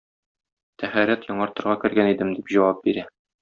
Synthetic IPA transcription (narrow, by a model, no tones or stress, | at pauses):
t̪ʰæχæɾæt̪jɒɴɑɾt̪ɤ̆ɾʁɑkɘ̆ɾɡænid̪ɘmd̪ipʑɒwɑp̚biɾæ